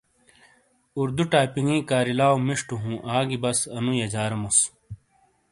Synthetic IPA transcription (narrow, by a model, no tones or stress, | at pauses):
uɾd̪uʈaːjpiŋĩːkaːɾilaːwmiʂʈuɦũːʔaːɡibɐsɐnũjɐd͡ʑaːɾɐmus